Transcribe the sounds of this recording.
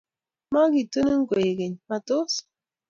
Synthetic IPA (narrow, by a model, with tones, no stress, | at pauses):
ma˦ɡi˨to˦ne˦ŋ̩˦ɡe˨ɡe˨ɲma˨to˦s